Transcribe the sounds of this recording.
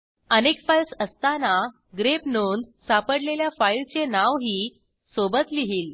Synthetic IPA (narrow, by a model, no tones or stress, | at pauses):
ənekfajlsəst̪ana | ɡɾepnond̪sapəɽleljafailt͡senaʋɦiː | sobət̪liɦiːl